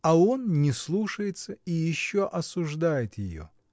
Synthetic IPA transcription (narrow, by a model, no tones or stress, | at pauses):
ɐo̞nnʲɪslˠuʂəjɪt̪səijɪɕːoʔɐsʊʐd̪ajɪt̪jɪjo̰